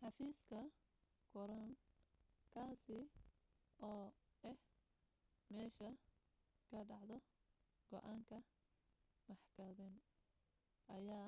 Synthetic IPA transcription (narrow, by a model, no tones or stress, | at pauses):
ħɑfiːskʰɐ | ɡʰɔɾɐn | kʰaːsɪ | ʔɔːɛh | mɛːʃɐ | kʰɐɖɑʕðɔɡ̥ɔ̰ʔaːŋkʰɐ | mɑħkʰɐðɪn | ʔɐjaː